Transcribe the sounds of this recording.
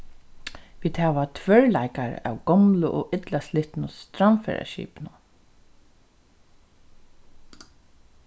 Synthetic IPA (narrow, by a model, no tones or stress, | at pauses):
ʋiːd̪̥hæːʋat̪ʰʋœɹlajkaɹæ̰ːwɡɔmlʊʔɔʔɪt̪laslɪht̪nʊst̪ɾanfɛ̰ɹa̰ʃḭːpnʊ